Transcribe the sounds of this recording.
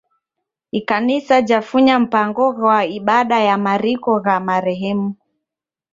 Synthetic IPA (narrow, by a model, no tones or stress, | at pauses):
ikanisad͡ʒafuɲam̩paŋɡɔɣwaiɓaɗajamaɾikɔɣamaɾɛɦɛmu